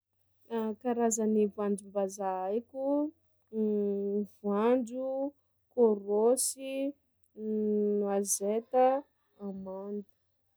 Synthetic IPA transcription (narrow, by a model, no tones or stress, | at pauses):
akaɾazanivuaɳd͡ʒumbazaajkʲu | vuand͡ʒu | koɾosi | nuazet̪ə | amand̪ə̥